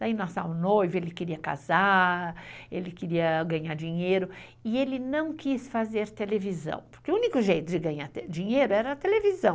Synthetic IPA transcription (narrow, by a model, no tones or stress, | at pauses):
d̥̪ainasavʊ̃nojvʊelɪkeɾiɐka̰za | elɪkeɾiɐɡɐ̃ɲaɾd͡ʒĩɲejɾʊ | ɪelɪnɐ̃w̃kisfazeɾt̪elevizɐ̰̃w̃po̥ɾkeʊũnikʊʒejt̪ʊd͡ʒɪɡɐ̃ɲaɾd͡ʒĩɲejɾʊɛɾɐːt̪elevizɐ̃w̃